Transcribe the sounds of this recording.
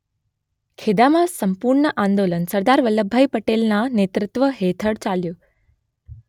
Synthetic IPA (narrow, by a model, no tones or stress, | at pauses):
kʰed̪amãsəmpuɾɳəʔãnd̪olənsəɾd̪aɾʋələbʱːajpəʈelnãnet̪ɾɪt̪ʋəɦet̪ʰəɽt͡ʃaljo